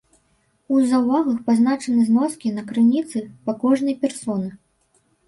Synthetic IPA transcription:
uzɐwvaɣɐxpaznat͡ʂɐnɨznɔskʲinɐkɾɨnʲit̪sɨpakɔʐnɐjpʲɛrsɔnɨ

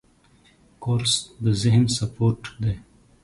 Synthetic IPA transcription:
koːɾsd̪əzɪɦnsɐpoːɾʈd̪e

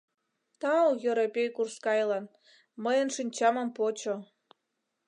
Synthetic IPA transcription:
t̪ɑwjəɾepʲejkurskɑjlɑn | məjənʃinʲt͡ɕɑmə̆mpot͡ɕo

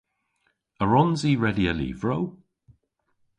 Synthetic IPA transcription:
əɹɔnziːɹɛdiəlḭːvɹow

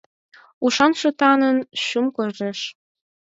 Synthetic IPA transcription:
uʃɑnʃɤ̆t̪ɑnə̆nɕumkoreʃ

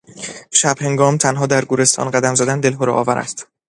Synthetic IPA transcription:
ʃæb̥he̞ŋɡɒːmt̪ʰænɦɒːd̪æɾɡuːɾe̞st̪ɒ̰ːnɢæd̪æmzæd̪ænd̪e̞lɦoɾɒ̰ʔɒːvæɾʔæ̰st̪

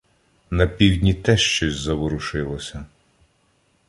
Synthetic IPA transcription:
nɐpʲiwdʲnʲit̪ɛʃt͡ʃɔzʲzɐwɔɾʊʃɪlˠɔsʲɐ

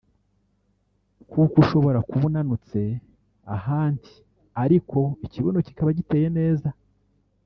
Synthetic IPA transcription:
kukuʃo̞βo̞ɾakuβunanut͡se̞ | a̰ɦaːndi̥ | aɾikʰo̞iciβono̞ci̥kaβaɟite̞ːje̞ne̞ːza

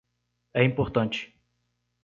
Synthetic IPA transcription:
ɛĩmpoɾt̪ɐ̃nt͡ʃɪ̥

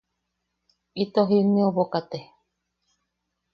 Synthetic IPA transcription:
it̪oɦimĩoβokat̪e

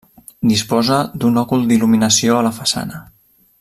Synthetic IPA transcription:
d̪ispɔzəd̪unɔkulˠd̪iluminəsioələfəsa̰nə

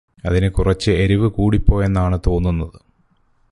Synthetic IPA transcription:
ɐðinɨkurɐt͡ɕːɨeɾiʋɨkuːɽipːo̞ːje̞nːaːɳɨt̪o̞ːnːunːɐðɨ

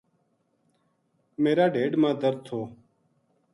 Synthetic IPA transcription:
meːɾaːɖeːɖmãːd̪əɾt̪ʰoː

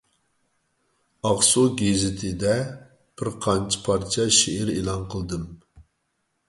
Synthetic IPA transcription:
ɑʁsuɡʲezɪt̪ʰɪd̪ɛ | b̥ɪɾqʰɑnt͡ʃʰi̥pʰɑɾt͡ʃʰɛʃeɪɾelˠɑnqʰəlˠɨd̪ɨm

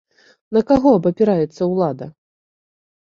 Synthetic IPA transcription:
nɐkaɣɔɐbɐpʲɛɾajɛt̪sːɐwlˠad̪ɐ̰

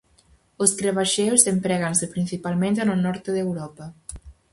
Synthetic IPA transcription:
oskɾeβaʃewsempɾɛɣansepɾinθipalˠmẽnt̪anonɔɾt̪eðewɾɔpɐ

